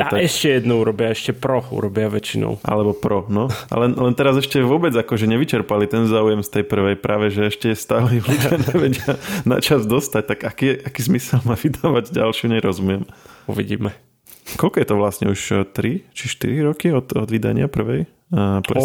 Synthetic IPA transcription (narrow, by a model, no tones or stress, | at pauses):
at̪aɛʃcɛjɛd̪nɔuɾɔbɪaɛʃcɛpɾɔṵɾɔbɪaʋɛt͡ʃinɔ̰ʊʔa̰lɛbɔpɾɔnɔa̰lɛnlɛnt̪ɛɾazɛʃcɛʋʊɔbɛd͡zakɔʒɛɲɛʋit͡ʃɛɾpalit̪ɛnzaːujɛmst̪ɛjpr̩ʋɛjpɾʔaːʋɛʒɛɛʃcɛjɛst̪aːlɛuʋlitaɲɛʋɛɟɪana̰t͡ʃazd̪ɔst̪ac̚t̪aɡakiʔakiːzmisɛlmaːʋid̪aːʋaɟɟa̰lʃɪuɲɛjɾɔzumɪɛmṵʋiɟḭːmɛ | kɔlkɔjɛt̪ɔʋlasɲɛ̰uʃt̪ɾit͡ʃiʃt̪ḭɾiɾɔkiɔt̪ɔ̰d̪ʋid̪a̰ɲɪapr̩ʋɛj | p